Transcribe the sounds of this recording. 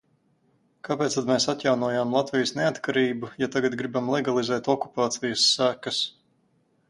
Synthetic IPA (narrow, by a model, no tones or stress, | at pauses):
kapeɛːt̪st̪ad̪meːsat̪jawnuɔjaːmlˠat̪vijəsneat̪kaɾiːbujat̪aɡat̪ɡɾibamlˠɛɡalˠizɛːt̪ɔku̥paːt̪sijəsːækəs